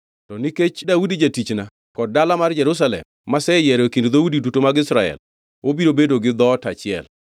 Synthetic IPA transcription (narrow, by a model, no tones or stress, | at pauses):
tɔniket͡ʃdaudid͡ʒatit͡ʃna | kɔd̚dːalamard͡ʒɛɾus̬alɛ̰mːasɛjɛɾekindd̪audidutomaɡɪsɾaɛ̰l | obiɾobedoɡɪd̪ɔtat͡ʃɪɛ̰l